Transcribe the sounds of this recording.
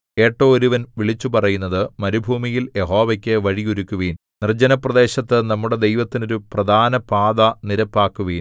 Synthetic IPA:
e̞ːʈːo̞ːɾuʋɐnʋiɭit͡ɕːupɐrɐjunːɐðɨmɐnubʱuːmijiljeɦo̞ːʋɐkʲːeʋɐɻiɣuɾukʲːuʋiːn | nird͡ʑɐnɐprɐd̪e̞ːɕɐt̪ːɨnɐmːuɽe̞d̪ejʋɐt̪ːino̞ɾuprɐd̪ʱaːnɐpaːd̪ɐniɾɐpːaːkːuʋiːn

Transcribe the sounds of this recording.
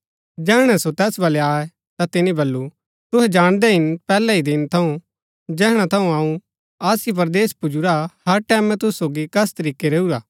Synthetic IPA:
d͡ʒɛːɦɽ̃ɛsot̪ɛːsbɐleaːɛ | t̪at̪ɪnĩbɐlːu | t̪ʊɦɛd͡ʒaːɽ̃d̪ɛɦɪnpɛːlɛid̪ɪnt̪ʰɐũ | d͡ʒɛːɦɽ̃at̪ʰɐũaːũ | aːsip̬ɐɾd̪eːspʊd͡ʒuɾahɐɾʈɛːmɛ̃t̪ʊssoːɡikɐst̪ɐɾiːkeɾeːuɾaː

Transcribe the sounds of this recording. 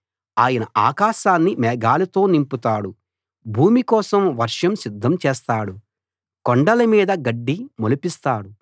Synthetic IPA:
aːjɐnɐʔaːkaːʃaːnːimɛːɡaːlɐt̪o̞ːnimput̪aːɽu | bʱuːmikɔːsɐmʋɐɾʂɐmsid̪ʱːɐmt͡ʃɛːst̪aːɽu | koɳɖɐlɐmiːd̪ɐɡɐɖːimolupist̪aːɽu

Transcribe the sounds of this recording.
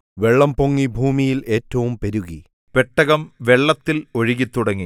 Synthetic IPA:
ʋe̞ɭːɐmpoŋːibʱuːmijile̞ːtːɐʋumpeɾuɣi | peʈːɐɣɐmʋe̞ɭːɐt̪ːilo̞ɻiɣit̪ːuɽɐŋːi

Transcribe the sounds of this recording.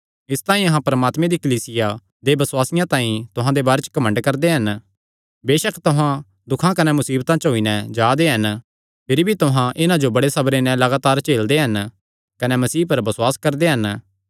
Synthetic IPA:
ɪst̪ãːĩɐɦãpɐɾmaːt̪mẽd̪ikɐliːsɪja | d̪ebɐswaːsɪjãt̪ãːĩt̪ʊɦãd̪ebaːɾet͡ʃə̥kɐmə̃ɳɖkɐɾd̪eɦɐn | beːʃəkʰt̪ʊɦã | d̪ʊkʰãkɐnɛmʊsiːbt̪ãt͡ʃɦoːinɛ̃d͡ʒaːd̪eɦɐn | pʰɪɾbʱit̪ʊɦãʔɪnãd͡ʒobɐɽesɐbɾenɛ̃lɐɡaːt̪aːɾt͡ʃeːld̪eɦɐn | kɐnɛmɐsiːpɐɾbɐswaːskɐɾd̪eɦɐn

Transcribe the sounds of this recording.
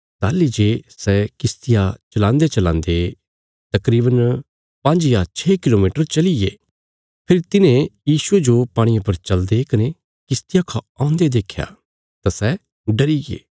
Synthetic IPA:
t̪aːlid͡ʒeːsɛkɪst̪ɪjat͡ʃɐlãːnd̪et͡ʃɐlã̰ːnd̪e | t̪ɐkɾiːbən | pɐ̃ɲd͡ʒjat͡ʃʰɛːkɪlomiːʈəɾt͡ʃɐliɡeː | pʰɪɾit̪ɪnẽjiːsued͡ʒopaːɽ̃iʊpəɾt͡ʃɐld̪ekɐne | kɪst̪ɪjakʰaãːʊ̃nd̪ed̪eːkʰja̰ | t̪asɛ | ɖɐɾiɡḛː

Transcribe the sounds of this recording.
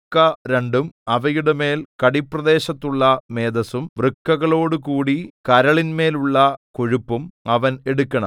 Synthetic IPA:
kːɐɾeɳɖumɐʋɐjuɽeme̞ːlkɐɽipːrɐd̪e̞ːɕɐt̪ːuɭːɐme̞ːd̪ɐsumʋrɨkːɐɣɐɭo̞ːɽukuːɽikɐɾɐɭinme̞ːluɭːɐkoɻupːumɐʋɐne̞ɽukʲːɐɳɐ̰m

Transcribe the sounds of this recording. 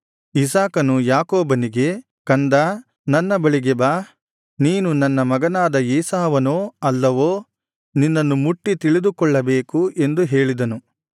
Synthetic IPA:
isaːkɐnujaːkoːbɐniɡe̞ | kɐnd̪a | nɐnːɐbɐɭiɡɛbaː | niːnunɐnːɐmɐɡɐnaːd̪ɐiːsaːʋɐnoːɐlːɐʋoː | ninːɐnːumuʈːit̪iɭid̪ukɔɭːɐbe̞ːkue̞nd̪uɦe̞ːɭid̪ɐnu

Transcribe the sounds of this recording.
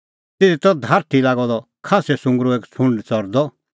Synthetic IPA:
t̪ɪd̪it̪ɔd̪ʱaːɾt̪ʰilaːɡɔd̪ɔ | kʰaːsɛsʊ̃ŋɡɾoeːkt͡sʰʊ̃ɳɖt͡sɔɾd̪ɔ

